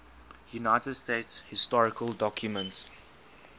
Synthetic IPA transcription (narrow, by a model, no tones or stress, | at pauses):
junaɪtədsteɪtshɪstɔɹɪkəldɔkʰjumə̃nts